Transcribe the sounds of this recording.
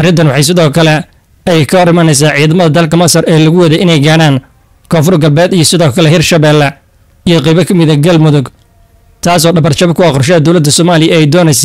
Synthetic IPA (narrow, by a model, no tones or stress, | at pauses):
ʔɐrɪnt̪ɐnwɑħɑjs̬ɪðɔːkʰɐlɛ | ɛjkʰɐɾɪmɐnɛjs̬aːʕiːðɐmɐðɐd̪ɐlkɐmɐsɐrɛːlɐɣʊwɐðɛjʔɪnɛjɡaːɽaːn | kʰɔːfʊrɡɐlbɛːd̪ijɞsɪðɔːkʰɐlɛɦɪrʃɐβɛːlːɐ | ijɞqɛjβɐkʰɐmɪðɐɡɐlmʊðʊɡ | t̪ʰaːs̬ɔːɖɐβɐrt͡ʃɐβɐkʰʊɑqɔrʃ̬ɛːɐd̪ɔwlɐd̪ːɐsɔːmaːlɪjɐɛjd̪ɔːnɛjs̬a